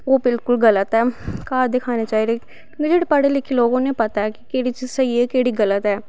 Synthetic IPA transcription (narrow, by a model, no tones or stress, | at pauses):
oːbɪlkʊlɡələt̪ɛːkaːɾd̪ɪkʰaːnet͡ʃaːɦiɾẽː | kid͡ʒeːɽepəɽelɪkʰːiloːɡõnẽːpət̪aɛːkɪkeːɽit͡ʃizsəiɛːkeːɽiːɡələt̪ɛː